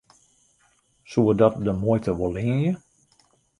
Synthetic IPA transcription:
suədɔt̚dəmojtəʋolˠiənjə

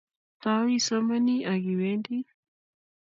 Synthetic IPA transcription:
t̪awisəmaniʔaɡiwend̪i

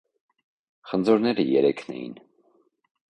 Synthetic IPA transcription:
χənd͡zɔɾnɛɾəjɛɾɛkʰnɛ̰jḭn

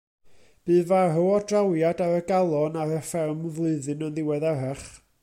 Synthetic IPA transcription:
b̥ɨːvaɦʊɔdrawjadaɾəɡalˠɔnaɾəfɛrmvlˠɨɨðɨnənðɪwɛðaɦɛχ

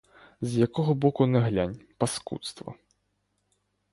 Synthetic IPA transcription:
zjakɔɣɐbɔkunɛɣlʲanʲpɐskṵt̪st̪vɐ̰

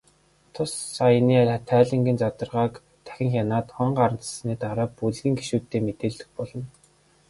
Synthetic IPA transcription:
t̪ʰʊsːajniːæɾʲat̪ʰæːɮĭŋɡiːnt͡sat̪ə̆rʁaːk | t̪ʰæ̥xʲɪ̆ŋxʲjanaːt̪χʊɴɢaɾə̆nt͡ssniːt̪aɾaːpuɮɣĭːŋɡeʃuːt̪ːeːmet̪eːɮɘ̆xpɔɮɞ̆n

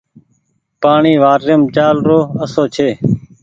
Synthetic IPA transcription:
paːɳiːʋaːɾɪjəmt͡ʃaːlɾoːəsoːt͡ʃʰeː

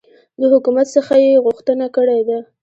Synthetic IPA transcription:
ləhʊkumat̪səxajeɣʊxt̪ənakəɽed̪a

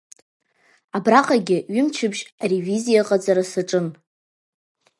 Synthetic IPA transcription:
abraqʼaɡʲɪɥɪmt͡ʃʰɪbʒarevizijaqʼad͡zaɾasɨʈ͡ʂʼɨn

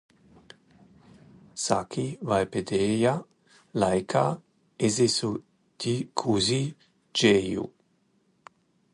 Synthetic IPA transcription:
sa̰kʰivajped̪eːja | lajkʰa | ezesu | d̪̥ikʰuzi | d͡ʒejṵ

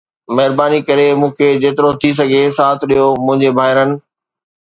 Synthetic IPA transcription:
mɐɦɪɾbaːnikɐɾemũːkʰed͡ʑeːt̪ɪɾot̪ʰis̬ɐɡʱesaːt̪ʰɗijomʊ̃ɦɪ̃ɲd͡ʑebʱaːɪɾənɪ̆

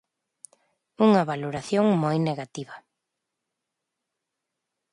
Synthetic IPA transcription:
uŋɐβaloɾaθjoŋmojneɣat̪iβɐ

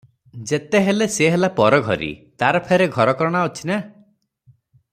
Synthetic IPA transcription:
d͡ʒet̪eɦeleseɦelapɔɾɔɡʱɔ̰ɾḭt̪aɾɔpʰeɾeɡʱɔɾɔkɔɾɔɽ̃aut͡ʃʰina

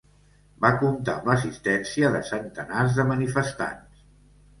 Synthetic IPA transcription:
bakunt̪a̰mləs̬ist̪ɛnsiəðəsənt̪ənarzðəmənifəst̪a̰ns

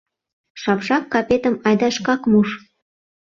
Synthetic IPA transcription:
ʃɑpʒɑkːɑpʲet̪ə̆mɑjd̪ɑʃkɑkmuʃ

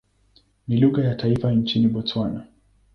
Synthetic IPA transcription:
niluɣajataifaɲt͡ʃiniɓɔt͡swana

